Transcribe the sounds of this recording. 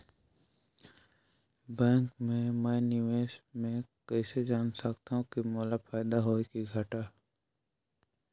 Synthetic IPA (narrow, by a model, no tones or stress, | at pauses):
bɛ̃ːŋkmẽmɛnɪʋeːʃmẽkəːsed͡ʒaːnsəkt̪aɦũkimɔːlapʰaːd̪aɦoːikiɡʱəʈaː